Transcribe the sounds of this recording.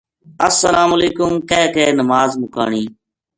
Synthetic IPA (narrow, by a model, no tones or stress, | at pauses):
əsːəlaːməliːkʊmkẽːkeːnəmaːzmʊka̰ːɳiː